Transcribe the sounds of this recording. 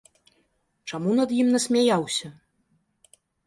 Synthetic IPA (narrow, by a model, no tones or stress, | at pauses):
t͡ʂamunɐd̪jimnɐsʲmʲajawsʲɐ